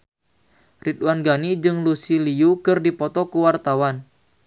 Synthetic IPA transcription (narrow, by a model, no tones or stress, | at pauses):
rit̪wanɡanid͡ʒɨŋlusilijukərdipɔt̪ɔkuwart̪awan